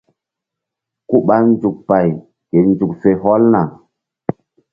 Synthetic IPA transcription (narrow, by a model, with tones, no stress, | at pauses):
ku˦ɓa˦n˦d͡ʒu˨k̚pa˨j | ke˨nd͡ʒu˨k̚fe˨ɦɔ˦lna˨